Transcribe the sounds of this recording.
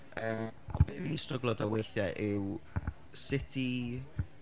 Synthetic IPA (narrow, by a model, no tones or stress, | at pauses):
əːɔ̰nbɪvistrəɡlˠɔdawejθjɛʔɪw | sɪtʰi